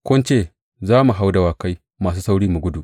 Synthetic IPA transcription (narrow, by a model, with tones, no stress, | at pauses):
kʷʊ˦nt͡ʃeː˦˨ | zaː˦mu˨ɦa˦wda˨waː˨ka˦j | maː˨s̬uː˦sa˦wɽiː˦mu˨ɡʷʊ˦du˨ʔ